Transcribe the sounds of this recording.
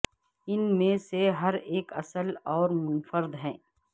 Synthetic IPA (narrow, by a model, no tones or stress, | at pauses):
ɪnmẽseɦɐɾeːkɐ̰səlɔːɾmʊnfəɾd̪ɦɛ̃ː